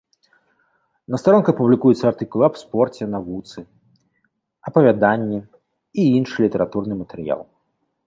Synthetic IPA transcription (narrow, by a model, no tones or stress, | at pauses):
nɐst̪aɾɔnkupublʲikujut̪sːɐart̪ɨkulˠapspɔrt͡sʲɛnavut̪sɨ | ɐpɐvʲad̪anʲːi | iinʂɨlʲit̪ɛɾat̪urnɨmɐt̪ɛɾɨja̰lˠ